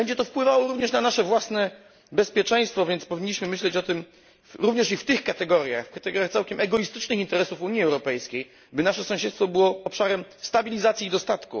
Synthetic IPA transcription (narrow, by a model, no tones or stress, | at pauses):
bɛɲd͡ʑɛt̪̬ɔfpwɘvawɔɾuvɲɛʂnanaʂɛvwasnɛ | bɛspʲjɛt͡ʂɛ̃j̃st̪fɔvʲjɛnt̪spɔvʲiɲːiɕmɘmɘɕlɛt͡ɕɔt̪ɘm | ɾuvɲɛʂift̪ɘxkat̪ɛɡɔɾja̰xfkat̪ɛɡɔɾjaxt̪sawkʲɛmʔɛɡɔjist̪ɘt͡ʂnɘxint̪ɛɾɛsufuɲiɛwɾɔpɛjskʲej | bɘnaʂɛsɔ̃w̃ɕɛt̪st̪fɔbɘwɔːpʂaɾɛmst̪abʲilʲizat̪sʲiːd̪ɔst̪at̪kṵ